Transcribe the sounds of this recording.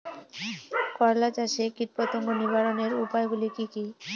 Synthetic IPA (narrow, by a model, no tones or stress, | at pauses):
kɔɾlat͡ɕaʃekiɾpat̪oŋɡonibaɾoneɾupaeɡulikiki